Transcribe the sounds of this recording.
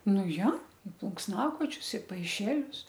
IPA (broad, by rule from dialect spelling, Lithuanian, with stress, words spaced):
ˈnʊ ˈjoː ɪ plˠʊŋksˈnɑːkoːt͡ʃʲʊs ɪ pɐɪˈʃʲæːlʲʊs